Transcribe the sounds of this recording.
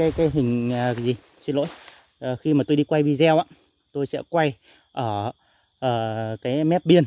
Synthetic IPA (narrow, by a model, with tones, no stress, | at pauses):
aː˨˦jkaː˨˦jɦï˨˩ŋ̟˨˩˨zi˨˩ | t͡ɕi˧˩lo̰˧˥˦j | xi˧maː˨˩t̪o˧jɗi˧kwa˧jvi˨˩zɛ˧wʔaː˧˨ | t̪o˧jsɛ̰˧˥kwa˧j | ʔəː˧˩ | ʔəː˧˩kaː˨˦jmɛ˦˥p̚ɓi˧ən